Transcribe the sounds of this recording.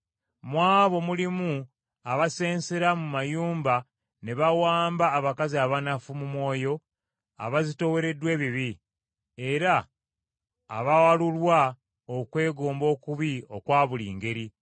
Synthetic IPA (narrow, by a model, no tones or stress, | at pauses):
mwaːβo̞mulimu | aβase̞ːnse̞ɾamumajuːmba | ne̞βawaːmbaːβakaziaβanafumumwo̞ːjo̞ | a̰βazito̞we̞ɾe̞dwe̞ːβiβi | eɾa | βawalulwa | okwe̞ːɡo̞ːmbo̞ːkuβio̞kwaːβulḭːŋɡe̞ɾi